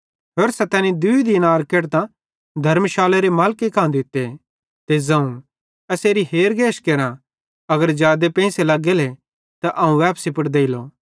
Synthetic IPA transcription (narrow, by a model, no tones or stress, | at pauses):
ɦoːɾsɛt̪ɛːnid̪ʊid̪inaːɾkeːɽt̪ã | d̪ʱɐɾmʃaːleɾemaːlkekãːd̪ɪt̪ːe | t̪ezɐ̃ũ | ɐseːɾiɦeːɾɡʱeːʃkeɾã | ɐɡəɾd͡ʒjaːd̪epɛ̃ːselɐɡele | t̪aʔɐũʋɛːpsipɐʈd̪eːilo̰